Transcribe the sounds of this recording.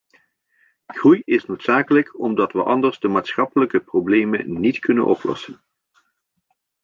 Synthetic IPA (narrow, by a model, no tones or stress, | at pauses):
ɣrujɪsnowtsaːkələkɔmdɑtʋəʔɑndərzdəmaːtsχɑpələkəprowblejmə̰nitkɵnə̰nʔɔ̰plɔ̰sən